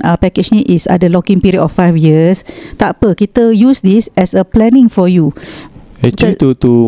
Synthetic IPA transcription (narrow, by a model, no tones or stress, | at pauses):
apɛked͡ʒniʔʔisa̰dəlɔkĩŋpiɾiətɔfːajfjiəst̪apəkit̪əjusdisɛsəplɛnĩŋfɔju | ɛt͡ʃlit̪ut̪u